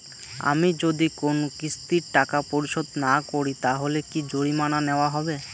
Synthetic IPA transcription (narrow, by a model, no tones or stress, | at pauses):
a̰mid͡ʑod̪ikonokist̪iɾʈakapoɾiʃod̪nakoɾit̪aɦolekid͡ʑoɽimananeoaɦɔbe